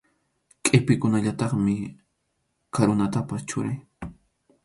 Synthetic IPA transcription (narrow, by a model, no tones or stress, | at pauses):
kʼepɪkʊnaʎat̪ɑχmɪ | kaɾʊnat̪apast͡ʃʊɾaj